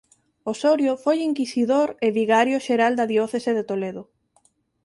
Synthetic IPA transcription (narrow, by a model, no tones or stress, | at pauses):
osoɾjofojiŋkisiðoɾeβiɣaɾjʊʃeɾald̪ɐðiɔθeseðet̪oleðʊ